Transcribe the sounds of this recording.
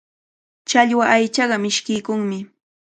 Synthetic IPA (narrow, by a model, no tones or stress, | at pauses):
t͡ʃaʎwaʔajt͡ʃɑɢɑmɪʃkɪjkʊŋmɪ